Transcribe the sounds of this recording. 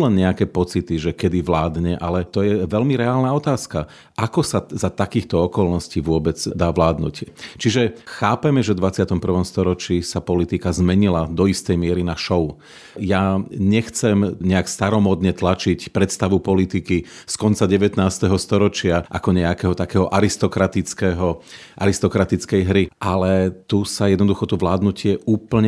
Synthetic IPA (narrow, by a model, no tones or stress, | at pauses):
lɛnɲɛakɛːpɔt͡sit̪iʒɛkɛd̪iʋlaːd̪ɲɛʔalɛt̪ɔjɛʋɛlmiɾɛaːlnaɔt̪aːska | ʔakɔsazat̪akiːxt̪ɔɔkɔlnɔsciːʋʊɔbɛd͡zd̪aːʋlaːd̪nṵct͡ʃiʒɛxaːpɛmɛʒɛvd̪ʋat͡sɪat̪ɔmpr̩ʋɔmst̪ɔɾɔt͡ʃiːsapɔlit̪ikazmɛɲilad̪ɔist̪ɛjmɪɛɾinaʃɔʊu | jaɲɛxt͡sɛmɲɛakst̪aɾɔmɔd̪ɲɛt̪lat͡ʃicpɾɛt̪st̪aʋupɔlit̪ikiskɔnt͡saɟɛʋɛt̪naːst̪ɛɦɔst̪ɔɾɔt͡ʃɪaʔa̰kɔɲɛakɛːɦɔt̪akɛːɦɔʔaɾist̪ɔkɾat̪it͡skɛɦɔ | ʔaɾist̪ɔkɾat̪it͡skɛjɦɾiʔalɛt̪usajɛd̪nɔd̪uxɔt̪ɔʋlaːd̪nucɪɛuːpl̩ɲɛ